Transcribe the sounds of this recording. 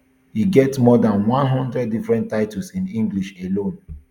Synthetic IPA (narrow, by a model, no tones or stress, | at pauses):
hiɡɛtsmɔdãnwãnɦɔ̃ndɹɛd̚ːifɹɛ̃ntːaɪtusĩnĩŋɡliʃelõn